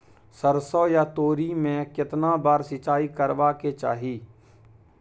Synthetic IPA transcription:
səɾsɔjat̪oːɾimẽkɪt̪nabaːɾsɪt͡ʃaːikəɾʋaket͡ʃa̰ːɦiː

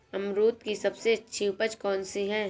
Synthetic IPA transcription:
ɐmɾuːt̪kisɐbseɐtːʃʰiʊpət͡ʃkɔːnsiɦɛ

